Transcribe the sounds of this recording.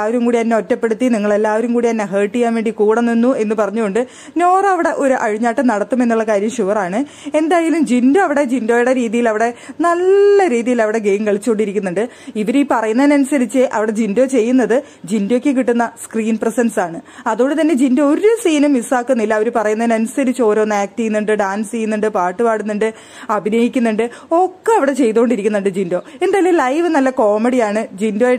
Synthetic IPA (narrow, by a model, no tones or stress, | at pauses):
lːaːʋɐɾumkuːɽiɐnːeo̞tːɐpːe̞ɽut̪ːiniŋːɐɭe̞lːaːʋɐɾumkuːɽiɐnːeɦeːʈːijaːnʋe̞ːɳɖikuːɽɐnːinːue̞nːɨpɐrɐɲːukoɳɖɨ | no̞ːrɐʋiɽe̞ʔo̞ɾuʔɐɻiɲːaːʈːɨnɐɽɐt̪ːume̞nːuɭːɐkaːɾjɐmɕuʋɐraːɳɨ | e̞nd̪aːjɐlumd͡ʑindo̞ːɐʋiɽe̞d͡ʑindo̞ːjuɽe̞ɾiːðijilɐʋiɽe̞nɐlːɐɾiːðijilɐʋiɽe̞ɡejmkeɭit͡ɕːuko̞ɳɖiɾikʲːunːuɳɖɨ | iʋɐɾiːpɐrɐjunːɐðnɐnusɐɾit͡ɕːɨʔɐʋiɽe̞d͡ʑindo̞ːt͡ɕe̞jːunːɐðɨ | d͡ʑindokːek̬iʈːunːɐskriːnprɐsɐnsaːɳɨɐðuɣoɳɖɨt̪ɐnːe̞d͡ʑindooɾusiːnumːisaːkːunːilːɐːʋɐɾupɐrɐjunːɐðnɐnusɐɾit͡ɕːɨo̞ːɾo̞ːnːɐaːk̚tijːunːuɳɖɨɖaːnst͡ɕijunːuɳɖɨpaːʈːɨpaːɽunːuɳɖɨ | ɐbʱinɐjikʲːunːuɳɖɨ | o̞kːɨɐʋiɽe̞t͡ɕe̞jt̪uko̞ɳɖiɾikʲːunːuɳɖɨd͡ʑindo̞ːe̞nd̪aːilːelɐjʋɨnɐlːɐko̞ːmeɽijaːɳɨd͡ʑindo̞ːje